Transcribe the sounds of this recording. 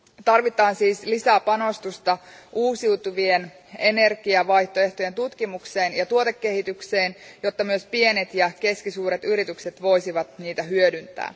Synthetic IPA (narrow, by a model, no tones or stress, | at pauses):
t̪ɑrʋit̪ɑːnsiːslisæpɑno̞st̪ust̪ɑʔuːsiwt̪uʋien | e̞ne̞rɡ̥iɑʋɑjht̪oe̞ht̪o̞je̞nt̪ut̪kimukseːnjɑt̪uot̪ekːe̞hit̪ykseːnjo̞t̪ːɑmyøspie̞net̪jɑke̞skisuːɾet̪yɾit̪ykse̞t̪ʋo̞isiʋɑt̪niːt̪æɦyødynt̪æ̰ː